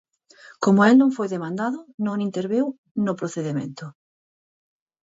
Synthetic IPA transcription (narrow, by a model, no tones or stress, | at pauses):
komʊelnõŋfojðemãnd̪aðʊnõŋint̪eɾβew | nopɾoθeðemḛ̃nt̪ʊ